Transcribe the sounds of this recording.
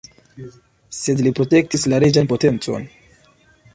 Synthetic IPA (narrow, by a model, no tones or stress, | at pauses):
se̞dlipɾo̞te̞k̚tislaɾed͡ʒanpo̞te̞nt͡so̞̰n